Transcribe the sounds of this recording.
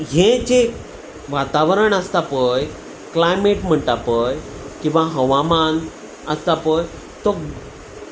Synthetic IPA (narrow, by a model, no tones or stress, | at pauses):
ɦẽt͡ɕe | ʋat̪aʋəɾəɳəst̪apəj | klajmeʈm̤əɳt̪apəjkĩw̃ʋaɦəʋaman | əst̪apəj | t̪ɔ